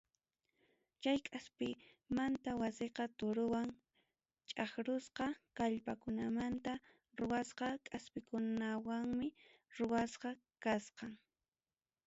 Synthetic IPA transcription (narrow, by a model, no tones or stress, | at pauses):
t͡ʃajkʼaspɪ | mant̪awaseqɑt̪ʊɾʊwaŋ | t͡ʃʼaχɾʊsqɑkaʎpakʊnamant̪a | ɾʊwasqɑkʼaspɪkʊnawaŋmɪ | ɾʊwasqɑ | kasqɑŋ